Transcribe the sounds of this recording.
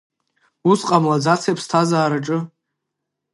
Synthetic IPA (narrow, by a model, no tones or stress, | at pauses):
usqʼamlad͡zat͡sʰepʰstʰazaːɾaʈ͡ʂʼɨ